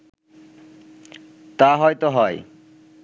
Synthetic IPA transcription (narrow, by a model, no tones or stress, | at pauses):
t̪aɦɔjt̪oɦɔe